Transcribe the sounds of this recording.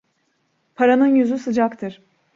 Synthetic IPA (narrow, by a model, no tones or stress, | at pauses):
pʰaɾanɯnjyzysɯd͡ʒakt̪ʰɯɾ̥